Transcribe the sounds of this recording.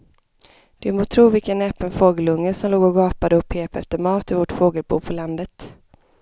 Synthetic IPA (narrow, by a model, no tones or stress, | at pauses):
d̪̥ɵmoːt̪ʰɾuːvɪlkənɛpənfoːɡəlɵŋːəsɔmloːɡɔɡɑːpad̪əɵpʰːeːpɛ̰ft̪əɾmɑːt̪ɪvɔʈfoːɡəlbṵːpʰɔland̪ət̪